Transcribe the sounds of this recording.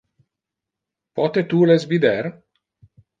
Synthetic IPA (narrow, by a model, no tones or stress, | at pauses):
pɔt̪et̪ulezvid̪er